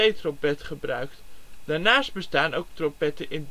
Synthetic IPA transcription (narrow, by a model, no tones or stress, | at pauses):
ejtropɛtχəbrœɥktd̥arnaːst̚bəstaːnowk̚tropɛtəʔɪn